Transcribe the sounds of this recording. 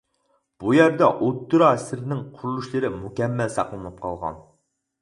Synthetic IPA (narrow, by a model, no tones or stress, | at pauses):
b̥ujæɾd̪ɛʔot̪ːuɾɑsɪɾnɪŋqʰʊɾulˠuʃlˠɨɾɪmukʲɛmːɛlsɑqlˠɨnɨp̚qʰɑ̰lˠʁɑ̰n